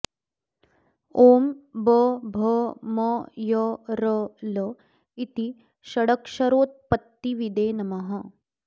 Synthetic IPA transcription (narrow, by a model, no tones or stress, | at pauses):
oːmbəbʱɐmɐjəɾələ | it̪i | ʃɐɽɐkʃɐɾoːt̪̚pɐt̪ːiʋid̪eːnɐmɐɦɐ